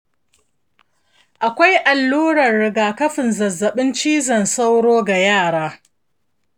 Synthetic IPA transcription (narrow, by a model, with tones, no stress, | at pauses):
ʔa˨kʷa˦jʔa˨lːuː˦ɽɐ˨rɽɪ˨ɡaː˨kɐ˦ɸɪ˨nzɐ˨zːɐ˨ɓɪ˦nt͡ʃiː˦zɐ˨nsa˦wɽoː˦ɡa˨jaː˦˨ɽaː˦